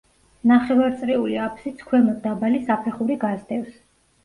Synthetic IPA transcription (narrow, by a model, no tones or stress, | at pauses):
naχɛvaɾt̪sʼɾɛuliapʰsit̪sʰkʰwɛmɔd̪d̪abalisapʰɛχuɾiɡazd̪ɛfs